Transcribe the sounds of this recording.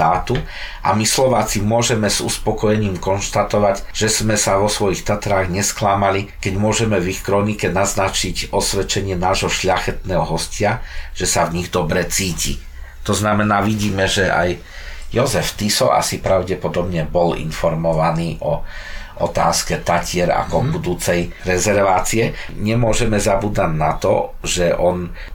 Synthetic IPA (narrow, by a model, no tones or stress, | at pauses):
aːt̪u | ʔa̰mislɔʋaːt͡simʊɔʒɛmɛz̥ṵspɔkɔjɛɲiːmkɔnʃt̪at̪ɔʋaɟʒ̥ɛz̥mɛsaʋɔsʋɔjixt̪at̪ɾaːɣɲɛsklamalikɛɟmʊɔʒɛmɛvixkɾɔnikɛnaznat͡ʃiɟɔsʋɛt͡ʃɛɲɪɛnaːʒɦɔʃʎaxɛt̪nɛːɦɔɦɔscɪaʒ̥ɛsavɲiɣd̪ɔbɾɛt͡siːcḭ | t̪ɔznamɛnaːʋiɟiːmɛʒɛʔa̰j | jɔzɛft̪isɔ̰ʔa̰sipɾaʊɟɛpɔd̪ɔbɲɛbɔlḭnfɔɾmɔʋaniːʔɔʔɔ̰t̪a̰ːskɛt̪acɪɛɾa̰kɔbud̪uːt͡sɛjɾɛzɛɾʋaːt͡siɛɲɛmʊɔʒɛmɛzabuːd̪aɟnat̪ɔ̰ʒɛʔɔn